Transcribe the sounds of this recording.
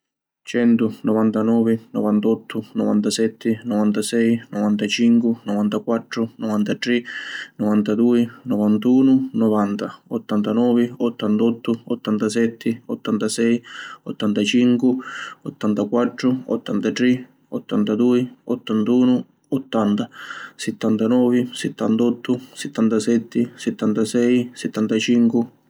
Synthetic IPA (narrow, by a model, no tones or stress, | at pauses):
t͡ʃɛnt̪ʊnɔvant̪anɔːvɪnɔvant̪ɔt̪ʰːʊnɔvant̪asɛt̪ʰːɪnɔvant̪asɛjnɔvant̪at͡ʃiŋkwɪnɔvant̪akwat̪ːɾʊnɔvant̪at̪ɾinɔvant̪ad̪uːinɔvant̪uːnʊnɔvant̪aɔt̪ːant̪anɔːvɪɔt̪ːant̪ɔt̪ːʊɔt̪ːant̪asɛt̪ʰːɪɔt̪ːant̪asɛjɔt̪ːant̪at͡ʃiŋkwɪɔt̪ːant̪akwat̪ːɾʊɔ̰t̪ːant̪at̪ɾi | ɔ̰t̪ːant̪ad̪uːiɔt̪ːant̪uːnʊ | ɔt̪ːant̪asɛt̪ːant̪anɔːvɪsɛt̪ːant̪ɔt̪ːʊsɛt̪ːant̪asɛt̪ʰːɪsɛt̪ːant̪asɛjsɛt̪ːant̪at͡ʃiŋkɪ